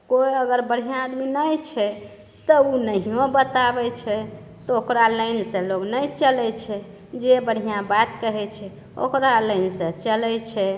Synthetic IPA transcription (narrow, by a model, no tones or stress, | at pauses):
kojəɡəɾbəɽ̤ijãːd̪minəjt͡ʃʰɛ | t̪ɔunəɦijõbət̪abɛt͡ʃʰɛ | t̪ɔokɾaləɪnsẽloɡnəjt͡ʃəlɛt͡ʃʰɛ | d͡ʒebəɽ̤ʱijãbat̪kəɦɛt͡ʃʰɛ | o̰kɾaləjnsə̃t͡ʃəlɛt͡ʃʰɛ